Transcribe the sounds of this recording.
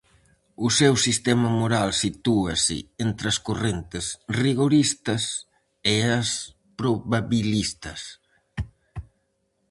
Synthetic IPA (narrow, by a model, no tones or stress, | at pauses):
ʊsewsist̪ɛmɐmoɾalsit̪uɐsɪ̰ent̪ɾɐskorent̪ɪsriɣoɾist̪ɐs | eas | pɾoβaβilist̪ɐs